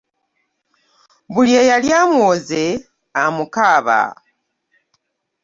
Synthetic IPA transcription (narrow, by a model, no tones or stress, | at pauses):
βuljeːjaljamuoze | amukaːβa̰